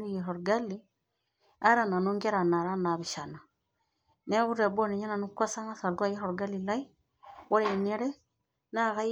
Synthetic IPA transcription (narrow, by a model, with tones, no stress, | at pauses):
ɾi˦je˨ɾo˨ɾɡa˦li˦ | a˦ɾa˨na˨nu˦ŋɡe˦ɾa˨na˨ɾa˦na˨βi˨ʃa˨na˨ | ne˦ɡu˦ɾe˨bo˦ne˨ɲa˦na˨nu˦kʷa˦sa˦ŋa˦sa˨ɾɡwa˦je˦ɾo˨ɾɡa˦li˨la˦i˦ | wo˦ɾe˨ne˦ɾe˦ | na˦˨ɣa˦